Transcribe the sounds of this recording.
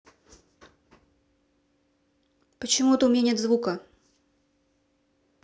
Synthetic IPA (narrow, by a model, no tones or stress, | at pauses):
pət͡ɕɪmuɛt̪əʊmʲɪnʲanʲet̪zvukə